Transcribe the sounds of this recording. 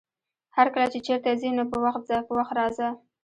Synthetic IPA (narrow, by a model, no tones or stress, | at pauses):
haɾkəlat͡ʃet͡ʃeɾt̪azinopəwaxt̪̚zajpəwaxt̪ɾɑza